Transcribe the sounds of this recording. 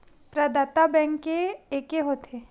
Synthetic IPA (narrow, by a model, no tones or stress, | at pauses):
pɾad̪at̪abɛ̃ŋkːeeːkeɦoːt̪ʰe